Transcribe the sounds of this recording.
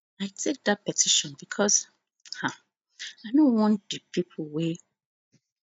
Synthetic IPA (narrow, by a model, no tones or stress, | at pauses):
aɪtʰek̚dat̚pɛtʰiʃɔ̃nbikʰɔz | hã | aɪnõwɔ̃ndipipʰwe